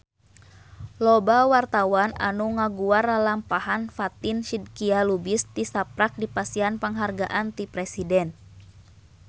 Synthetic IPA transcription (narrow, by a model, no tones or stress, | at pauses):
lɔbawart̪awana̰nuŋaɡuaralampahanfat̪inʃidkialubist̪isapɾak̚dipasianpəŋɦarɡa̰ʔant̪ipɾɛsidɛn